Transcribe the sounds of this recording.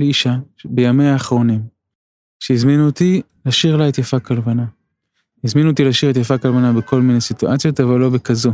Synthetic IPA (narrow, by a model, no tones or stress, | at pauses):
leiʃabejame̞jaːχʁo̞nim | ʃeizminut̪ilaʃiʁlaet̪jafakalvana | izminut̪ilaʃiʁet̪jafakalvanabeko̞lmine̞jsituʔat͡sjo̞tavalːo̞bekazu